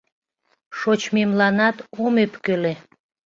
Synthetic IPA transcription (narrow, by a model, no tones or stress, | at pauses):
ʃot͡ɕmemlɑnɑt̪omepkøle